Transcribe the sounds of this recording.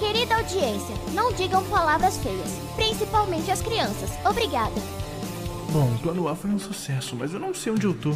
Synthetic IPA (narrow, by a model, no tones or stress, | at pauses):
keɾid̪ɐawd͡ʒiẽsiɐnɐ̃w̃d͡ʒiɡɐ̃w̃palavɾɐsfejɐs | pɾĩsipawmẽnt͡ʃɪɐskɾiɐ̃sɐsobɾiɡad̪ɐ | bõw̃t̪uɐ̃nuawfojũsusɛsʊmɐzewnɐ̃w̃sejũd͡ʒɪowt̪ub